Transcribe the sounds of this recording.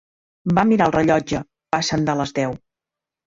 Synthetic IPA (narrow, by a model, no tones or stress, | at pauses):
bamiɾalˠrəʎɔd͡ʒə | pasənd̪ələzðɛw